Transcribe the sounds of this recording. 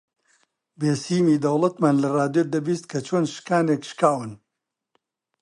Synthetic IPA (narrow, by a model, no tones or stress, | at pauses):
beːsiːmiːd̪ɐwlˠɐt̪maːnlɐraːd̪jod̪ɐbiːst̪̚kʰɐt͡ʃʰoːnʃkaːneːkʃkaːwɨn